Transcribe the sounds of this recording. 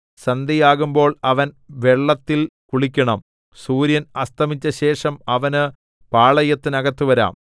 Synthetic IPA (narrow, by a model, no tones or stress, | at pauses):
sɐnd̪ijaːɣumbo̞ːɭɐʋɐn | ʋeɭːɐt̪ːilkuɭikʲːɐɳɐm | suːɾjɐnɐst̪ʰɐmit͡ɕːɐɕe̞ːʂɐmɐʋɐnɨ | paːɭɐjɐt̪ːɨnɐɣɐt̪ːuʋɐɾa̰ːm